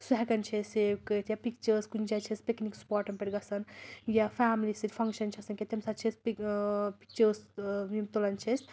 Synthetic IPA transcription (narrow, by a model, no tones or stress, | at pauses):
suɦɛkɐnt͡ʃʰeseːwkət̪japikt͡ʃɐskunt͡ʃat͡ʃʰespeknikspaːɾʈɐnpeʈɡɐsɐnjafʰaːmlisɨt̪ʲpʰɐŋkʃɐnt͡ʃʰɐsɐnkʲet̪emsat͡ʃʰisʲpipi̥k̚t͡ʃəsmimt̪olɐnt͡ʃʰesʲ